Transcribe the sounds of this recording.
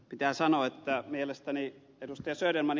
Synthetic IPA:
pit̪æːsɑnoet̪ːæmielest̪æni | edust̪ɑjɑsøˑyrelmɑn

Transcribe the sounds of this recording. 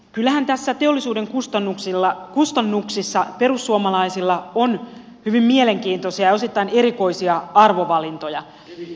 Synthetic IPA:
kylːæhænt̪æsːæt̪eolːisuːdeŋkust̪ɑnːuksilːɑkust̪ɑnːuksisːɑperusːuomɑlɑisilːɑon | hyʋimmieleŋkiːnt̪osiɑjɑosit̪ːɑineɾiko̞isiɑɑrʋoʋɑlint̪ojɑ

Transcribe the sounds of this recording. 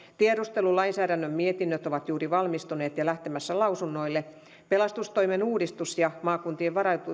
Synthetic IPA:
t̪ieɾust̪elulɑinsæːɾænːømmiet̪inːøt̪oʋɑt̪juːriʋɑlmist̪uneːt̪jɑlæht̪emæsːælɑusunːoilːe | pelɑst̪ust̪oimenuːdist̪usjɑmɑːkunt̪ieʋʋɑɾɑt̪u

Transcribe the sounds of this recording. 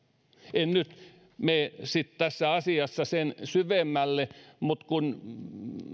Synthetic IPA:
ennyt̪ | meːsit̪t̪æsːæɑsiɑsːɑsensyʋemːælːemut̪kun

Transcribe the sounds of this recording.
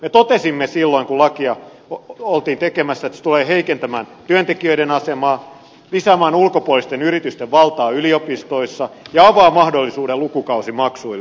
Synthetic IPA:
met̪ot̪esimːesilːoiŋkulɑkiɑ | olt̪iːnt̪ekemæsːæet̪se̥t̪uleːheikent̪æmæːnt̪yønt̪ekiøiɾenɑsemɑː | lisæːmæːnulkopuolːˑist̪enyrit̪yst̪eʋʋɑlt̪ɑːyliopist̪oisːɑjɑɑʋɑːmɑhdolːisuːdelukukɑusimɑksuil

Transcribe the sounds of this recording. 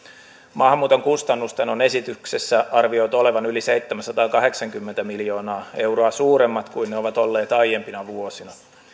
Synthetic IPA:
mɑːhmuːt̪o̞ŋkust̪ɑnːust̪eno̞ne̞sit̪yksesːæɑrʋiojt̪o̞le̞ʋɑnylise̞jt̪ːemænsɑt̪ɑːkɑɦe̞ksɑŋk̟ymːent̪æmiljo̞ːnɑːe̞wɾoɑsuːɾemːɑt̪kuinneo̞ʋɑt̪o̞lːeːt̪ɑjje̞mpinɑʋuo̞sinɑ

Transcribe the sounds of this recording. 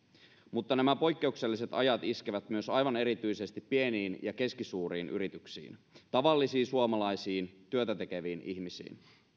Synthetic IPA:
mut̪ːɑnæmæpo̞jkːe̞ukselːise̞t̪ɑjɑt̪isk̟eʋæt̪myø̞sɑjʋɑne̞ɾit̪yjse̞st̪ipːie̞niːnjɑke̞skisuːɾiːnʔy̰ɾit̪yksḭːnt̪ɑʋɑlːisiːnsuomɑlɑjsiːnt̪yøt̪æt̪e̞k̟e̞ʋiːnḭçmisḭːn

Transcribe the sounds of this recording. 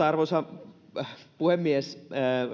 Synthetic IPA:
ɑrʋosɑ | puhemːies

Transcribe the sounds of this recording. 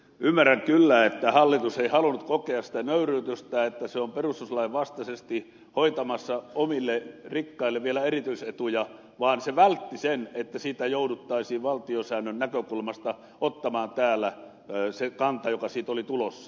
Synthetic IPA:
ymːærːæŋkylːæet̪ːæhɑlːit̪useihɑlunut̪kokeɑssi̥t̪ænøyryːt̪øst̪æːet̪ːæseomperust̪uslɑiʋʋɑst̪ɑsest̪i | hoit̪ɑmɑsːɑomilːerikːɑilːeʋʋielæerit̪yiset̪ujɑ | ʋɑːnseʋælt̪ːisenet̪ːæsiːt̪æjoudut̪ːɑisiːʋʋɑlt̪iosæːnːønnækøkulmɑst̪ɑ | ot̪ːɑmɑːnt̪æːlːˑæ | sekɑnt̪ɑjokɑsiːt̪olit̪ulosːɑ̥

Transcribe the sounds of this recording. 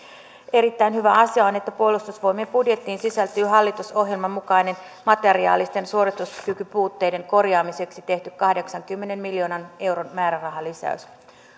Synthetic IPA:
e̞ɾit̪ːæinhyʋæɑsiɑo̞ne̞t̪ːæpuo̞lust̪usʋo̞jmeːmpudje̞t̪ːiːnsisælt̪yːɦɑlːit̪uso̞ɦje̞lmɑmːukɑjne̞n | mɑt̪e̞ɾiɑ̰ːlist̪e̞nsuo̞ɾit̪uskykypuːt̪ːe̞jde̞ŋko̞rjɑːmise̞ksit̪e̞ht̪ykkɑhde̞ksɑŋkymːe̞ne̞mmiljo̞ːnɑne̞wɾo̞nmæːɾærɑɦɑlisæ̰ys

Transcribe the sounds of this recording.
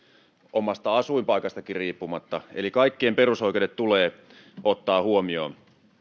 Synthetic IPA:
ʔomɑst̪ɑɑsuimpɑikɑst̪ɑkirriːpːumɑt̪ːɑḛlikɑikːiemperusoikeodet̪t̪uleː | ʔot̪ːɑːhuomioː

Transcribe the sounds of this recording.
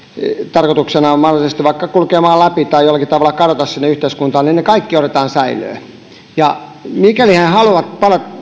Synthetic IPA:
t̪ɑrkot̪uksenɑmɑhrolisest̪iʋʋɑikːɑkulkeːmɑːllæpit̪ɑijolːɑkitt̪ɑʋɑlːˑɑkɑdot̪ɑssinːeyht̪eiskunt̪ɑːnninnekɑikːiot̪et̪ɑːnsæilˑø̰ː | jɑmikælihænhɑluʋɑt̪pɑlot̪

